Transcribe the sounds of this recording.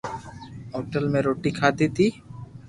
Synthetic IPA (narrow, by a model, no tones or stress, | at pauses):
ɦɔʈəlmeɾoʈikʰat̪et̪i